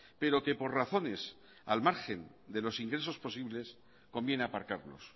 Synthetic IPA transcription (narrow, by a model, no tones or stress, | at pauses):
pe̞ɾo̞ke̞po̞ɾraθo̞ne̞s | a̰lmaɾxe̞n | d̪e̞lo̞siŋɡɾe̞s̬o̞spo̞siβle̞s | ko̞mbje̞neapaɾkaɾlo̞̰s